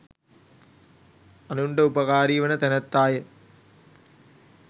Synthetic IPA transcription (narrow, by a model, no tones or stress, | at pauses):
ɐnuɳɖəupɐkaːɾiːʋɐnɐt̪ɛnɐt̪ːaːjə